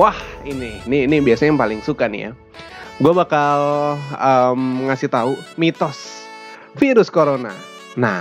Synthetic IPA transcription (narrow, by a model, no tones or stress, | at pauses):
wahininiːnibiasaɲaŋpalɪŋsukanḭja̰ | ɡuabakaləmŋasɪht̪aumit̪ɔs | fiɾʊskoɾona̰ | na̰